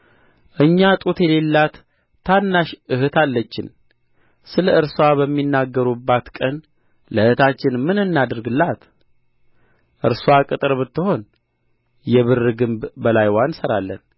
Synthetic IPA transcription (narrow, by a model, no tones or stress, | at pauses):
ʔɨɲːat̪ʼut̪jɛle̞lːat̪ʰː | anːaʃʔɨhɨt̪ʰalːət͡ʃːɪ̰n | sɨləɨɾswabəmːinːaɡːəɾubːat̪kʼən | ləhɨt̪at͡ʃːɪnmɨnɨnːad̪ɨɾɡɨlːat̪ | ʔɨɾswakʼɨt̪ʼɨɾbɨt̪ːɨho̞n | jɛβɨrːɨɡɨmbbəlajwansəɾalːə̰n